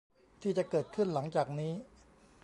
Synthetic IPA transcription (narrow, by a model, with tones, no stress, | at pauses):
t̪ʰiː˥˩t͡ɕa˨˩kɤː˨˩t̪̚kʰɯ˥˩nla˩˦ŋt͡ɕaː˨˩k̚niː˦˥